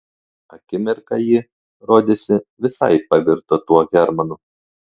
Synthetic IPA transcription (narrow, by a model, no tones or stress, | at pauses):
ɐkʲɪmʲɪɾkɐjɪ | ɾoːd̪ʲesʲɪʋʲɪsɐ̰ɪpɐʋʲɪɾt̪ot̪uɔɣʲɛɾmɐnʊ